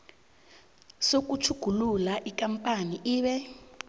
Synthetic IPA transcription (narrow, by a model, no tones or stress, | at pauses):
sok̬ut͡ʃʰuɡ̥ʱululaʔikampʼaniʔiːɓɛ